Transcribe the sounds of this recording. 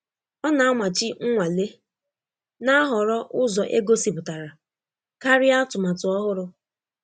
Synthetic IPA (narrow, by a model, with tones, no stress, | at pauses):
ɔ˦na˨a˦mʷa˨t͡ʃɪ˦ŋ̩˦ŋʷa˨le˦ | na˦a˦ɦɔ˨ɾɔ˦ʔʊ˦zɔ˨ʔe˦ɡo˦si˨pʊ˨ta˨ɾa˨ | ka˦ɾɪ˦a˦tʊ˨ma˨tʊ˨ɔ˦ɦʊ˦ɾʊ˦